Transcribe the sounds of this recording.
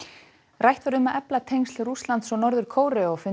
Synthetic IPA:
rajht̪vaɾʏmaðʔɛplat̪ʰejŋst̪lruslant̪sɔnɔɾðʏɾ̥kʰoːwɾɛɔɣfɪ

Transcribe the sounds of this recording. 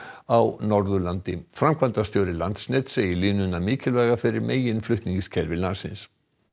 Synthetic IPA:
awnɔɾðʏlant̪ɪfɾamkʰvant̪ast̪joːwɾɪlant̪snɛt̪seːjɪliːnʏnːamɪːcɪlvɛːɣafɪɾɪɾmeːjɪnflʏht̪niɲciscʰɛlvɪlasɪ̰ns

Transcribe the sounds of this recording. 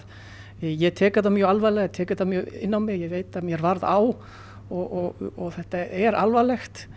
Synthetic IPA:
jɛt̪ʰɛːkaðamjœalvajlɛɣɛt̪ʰɛːkaðamjœɪ̰nːawmɪɣjɛɣveːjt̪aðmjɛɾvaɾðaw | ɔɣɔɣɔɣθɛht̪aɛɾalvalɛxt̪

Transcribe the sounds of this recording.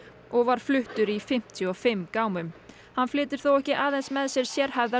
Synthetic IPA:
ɔɣvaɾ̥flʏht̪ʏɾifɪm̥t̪ʰjɔfɪmːkaːwmʏm | hanːflɪːt̪ɪɾ̥θowɛhcɪʔaːðɛnsmɛðsjɛɾ̥sjɛɾ̥hajvða

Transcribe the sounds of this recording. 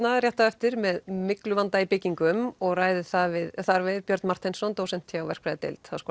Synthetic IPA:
naðrjɛht̪aɛft̪ɪɾmɛðmɪklʏvant̪aipɪcːiŋkʏmɔɣraːjðɪθavɪðθaɾvɪðpjœɾt̪nmar̥t̪ʰensɔnt̪oːwsɛnm̥t̪ʰjawvɛr̥kpɾajðɪt̪ɪ̰lt̪askɔː

